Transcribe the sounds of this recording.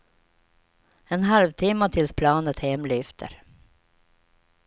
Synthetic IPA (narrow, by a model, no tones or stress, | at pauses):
ɛnɦalvt̪ʰɪmːət̪ʰɪlspʰlɑːnət̪hɛmlʏft̪ʰə̰ɾ